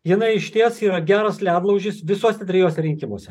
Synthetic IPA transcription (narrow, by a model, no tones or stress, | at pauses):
jɪnɐɪɪʃʲt̪ʲiɛsiːɾɐɡʲæːɾɐslʲæːd̪lˠɐʊʒʲɪsʋʲɪsoːsʲɛt̪ʲɾʲɪjoːsʲɛɾʲɪŋʲkʲɪmo̰ːsʲɛ